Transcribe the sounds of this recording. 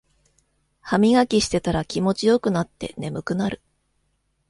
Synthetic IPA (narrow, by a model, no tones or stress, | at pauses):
hamʲiɡakʲiɕi̥t̪e̞t̪aɾakʲimo̞t͡ɕijo̞kɯ̟nat̪ːe̞̰ne̞mɯ̟kɯ̟naɾɯ̟